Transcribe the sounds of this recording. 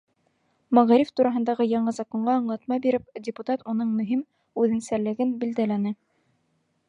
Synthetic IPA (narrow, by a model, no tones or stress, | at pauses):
mæʁɑɾift̪uɾɑɦɤ̆nd̪ɑʁɤjɑɴɤzɑkoɴɢɑɤ̆ɴlˠɑt̪mɑbiɾɘp̚dʲɪput̪ɑt̪unɤɴmɵ̆ɦim | ʉðɘ̆nsæɾlɘ̆ɡɘnbild̪ælænɘ